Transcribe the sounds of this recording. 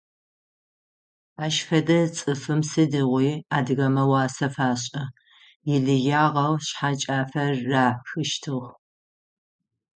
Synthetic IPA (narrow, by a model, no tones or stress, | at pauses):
aːʃfɐdɐt͡sʼɨfɨmsɨdɨʁʷiːaːdɨɣɐmɐwɑːsɐfaːɕʼɐ | jɪɮɨjaːʁɐwɕħat͡ʃʼaːfɐrːaːħʷxɨʃtʰɨʁ